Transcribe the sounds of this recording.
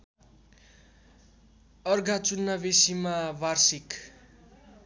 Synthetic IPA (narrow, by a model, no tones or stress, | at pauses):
ʌrɡʱat͡sunːʌbesimabarsik